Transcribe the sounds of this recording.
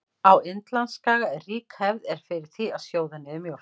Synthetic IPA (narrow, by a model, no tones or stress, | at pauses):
awɪnt̪lanskaːɣarriːkhɛvðɛɾ̥fɪɾɪɾ̥θiaðsjoːwðanɪðmjow